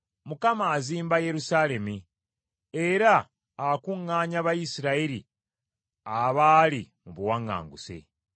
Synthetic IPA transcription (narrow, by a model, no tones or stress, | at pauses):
mukamaːziːmbaje̞ɾusale̞mi | eɾaː | kuŋːaːɲaβajisiɾaiɾi | aβaːli | muβuwaŋːa̰ːŋɡusḛ